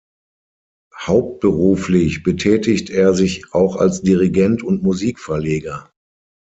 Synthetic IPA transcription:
haʊp̚t̚b̥əʁuːflɪçb̥ətʰɛːtɪçteːɐzɪçʔaʊxa̰lsd̥iʁiɡɛntʰʊntmuziːkfɛɐleːɡɐ

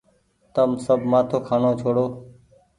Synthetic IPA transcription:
t̪əmsəbʱmaːt̪ʰoːkʰaːnoːt͡ʃʰoːɽoː

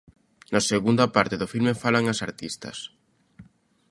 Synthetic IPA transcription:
nɐseɣund̪ɐpaɾt̪eðʊfilmefalaŋasaɾt̪ist̪ɐ̰s

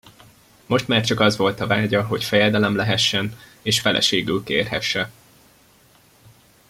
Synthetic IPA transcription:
mo̞ʃt̪maːrt͡ʃɒkɒzʋo̞lt̪ɒvaːɟɒɦo̞cfɛjɛd̪ɛlɛmlɛɦɛʃːɛneːʃfɛlʔɛ̰ʃeːɡylkḛːrɦɛ̰ʃːɛ

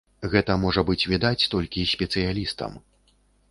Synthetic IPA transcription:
ɣɛt̪ɐmɔʐɐbɨt͡sʲvʲid̪at͡sʲt̪ɔlʲkʲisʲpʲɛt̪sɨjalʲist̪ɐ̰m

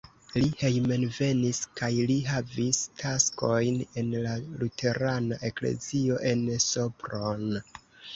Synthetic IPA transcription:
lihe̞jme̞nve̞niskajliɦavistʰasko̞jne̞nlalutʰe̞ɾanaʔe̞kle̞̰zio̞ʔe̞nso̞pɾon

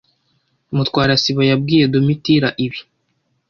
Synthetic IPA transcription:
umutwaːɾasiβajab̚ɡiːje̞domitiɾaʔiβi

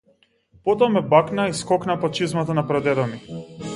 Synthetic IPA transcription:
pɔt̪amɛbaknaiskɔknapat͡ʃizmat̪anapɾɔd̪ɛɾɔmi

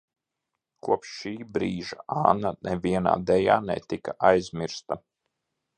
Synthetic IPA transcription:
kʰuɔpʃːiːbɾiːʒaaːnanɛvʲiɛna̰ːd̪ɛja̰ːnɛ̰t̪ikaʔajzmʲiɾst̪a

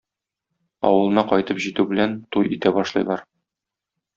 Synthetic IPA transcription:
ɒ̰wɤ̆lˠɤ̆nɑqɒjt̪ɤpʑit̪ʉbɘ̆lænt̪ujit̪æbɒʃlˠɤ̰̆jlˠɑɾ

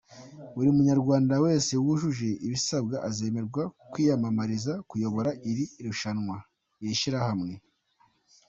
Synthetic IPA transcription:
βuɾimuɲaɾɡwaːndawe̞ːse̞wuʒuʒeʔiβisab̚ɡaʔaze̞ːme̞ɾɡwakwiːjamamaɾizakujo̞βo̞ɾaʔiɾiɾuʃanŋwa | jeʃiɾahamŋe̞

